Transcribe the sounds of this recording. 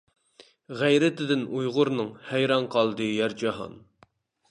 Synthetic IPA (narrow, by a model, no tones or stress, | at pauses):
ʁæjɾɪt̪ʰɪd̪ɪnujʁʊɾnɨŋhæjɾɑnqʰɑlˠd̪ɨjæɾd͡ʒɑɦɑ̰n